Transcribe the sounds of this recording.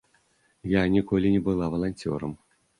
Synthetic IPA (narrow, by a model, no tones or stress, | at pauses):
janʲikɔlʲinʲɛbɨlˠavɐlˠanʲtʲɔ̰ɾɐ̰m